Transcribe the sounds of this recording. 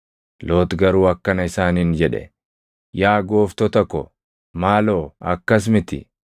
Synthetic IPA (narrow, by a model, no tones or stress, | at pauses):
loːt̪ɡɐɾuːɐkːɐnɐɪsaːniːnd͡ʒɛᶑɛ̰ | jaːɡoːft̪ɔt̪ɐkːɔ̰ | maːloːɐkːɐs̬mɪt̪ɪ̰